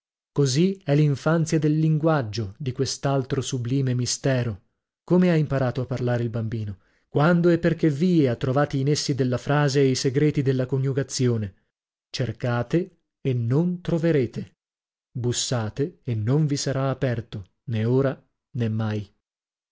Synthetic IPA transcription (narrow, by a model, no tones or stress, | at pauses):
koziɛlːiɱfant̪sjad̪elːiŋɡwad͡ʒːod̪ikwest̪alt̪ɾosubliːmemist̪ɛːɾo | komeaimpaɾaːt̪oapːarlaːɾeilbambiːno | kwand̪oɛpːerkeviːeat̪ːɾovaːt̪iːnesːid̪elːafɾaːzeːjseɡɾeːt̪id̪elːakonjuɡat̪sːjoːne | t͡ʃerkaːt̪eː | nːont̪ɾoveɾeːt̪e | busːaːt̪eːnːoɱvisaɾaːpɛrt̪o | neoːɾa | nemːaj